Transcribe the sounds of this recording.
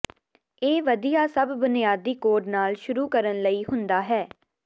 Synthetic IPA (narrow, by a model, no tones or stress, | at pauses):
eːʋəd̪ijaːsəbːɪnɪjaːd̪iːkoːɖnaːlʃʊɾuːkəɾənləiːɦʊnd̪aːɦɛː